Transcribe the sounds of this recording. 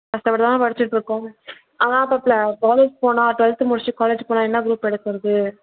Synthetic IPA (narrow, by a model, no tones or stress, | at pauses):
kɐsʈ̪ɐpɐʈt̪aãːpɐɽɐt͡ʃːɪʈːɯɾɯkːʊ̃ | ʔaːðãːɐpːɐplɐkaːleːd͡ʒpoːnãːʈʋɛlt̪ɯmʊɽɪt͡ʃːɯkaːleːd͡ʒpoːnãːɛnːɐɡɾuːpɛɽɯk̪ːɯɾɐðɯ